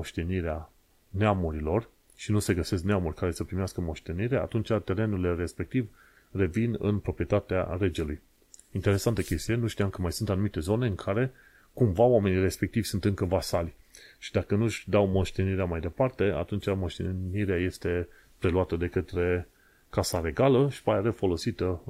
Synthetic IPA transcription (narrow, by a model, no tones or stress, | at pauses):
oʃt̪e̞niɾea | neamuɾilo̞r | ʃinuse̞ɡəse̞s̬kneamurʲkaɾe̞səpɾimeaskəmo̞ʃt̪e̞niɾe̞a̰t̪unt͡ʃat̪e̞ɾe̞nule̞ɾe̞spe̞k̚t̪iv | re̞vinɨ̰npɾo̞pɾije̞t̪at̪ea̰ɾe̞d͡ʒe̞luj | int̪e̞ɾe̞sant̪əkʲe̞st̪ijenuʃt̪iamkəmajsunt̪anumit̪e̞zo̞ne̞ɨŋkʰaɾe̞ | kumvawame̞nire̞spe̞k̚t̪ivʲsunt̪ɨŋkəvasalʲʃid̪akənuʃʲd̪awmo̞ʃt̪e̞niɾeamajd̪e̞part̪e̞a̰t̪unt͡ʃamo̞ʃt̪eniɾeaje̞st̪e̞ | pɾe̞luat̪əd̪e̞kət̪ɾe̞ | kasaɾe̞ɡaləʃi̥paeɾefo̞lo̞sit̪ə